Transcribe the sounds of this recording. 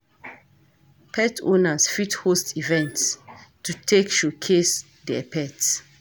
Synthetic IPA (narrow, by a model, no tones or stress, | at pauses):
pʰɛtʰõ̰nasfithostivɛ̃ntstutʰekʃukʰes | dɛɛpʰɛt